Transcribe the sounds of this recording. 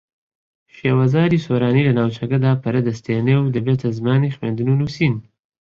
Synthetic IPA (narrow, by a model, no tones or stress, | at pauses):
ʃewazɑːɾisoɾɑːnilanawt͡ʃaɡad̪ɑpaɾad̪əst̪enewd̪əbet̪ʰazmɑːnixmend̪ununusin